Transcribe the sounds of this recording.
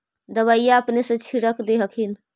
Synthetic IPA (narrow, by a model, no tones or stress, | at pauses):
d̪əβəijːaəpnesə̃t͡ʃʰiɽəkd̪eɦəkʰin